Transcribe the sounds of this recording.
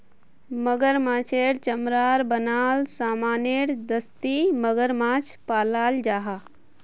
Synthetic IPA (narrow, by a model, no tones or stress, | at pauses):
məɡəɾmãːt͡ʃʰeːɽt͡ʃəmɾaːɾbənaːlsaːmaːneɾd̪əst̪iməɡəɾmãːt͡ʃʰpaːlaːld͡ʒaːɦa